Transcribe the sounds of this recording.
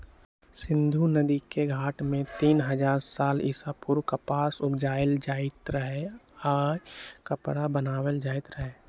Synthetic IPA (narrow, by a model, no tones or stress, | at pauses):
sɪ̃nd̪ʱunəd̪ikeɡʱaːʈmẽt̪iːnɦəd͡ʒaːɾsaːlɪ̰sapʊɾkəpaːsʊpd͡ʒaːjəld͡ʒaːɪt̪ɾəɦeaːɾkəpɽabənaːwəld͡ʒaːɪt̪ɾəɦeː